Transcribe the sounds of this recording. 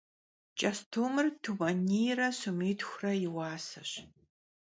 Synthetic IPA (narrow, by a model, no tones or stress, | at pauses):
t͡ʃʼɐstʰuːmɨrtʰuwɐniːjrɐsumiːtxʷrɐjɪwaːsɐɕ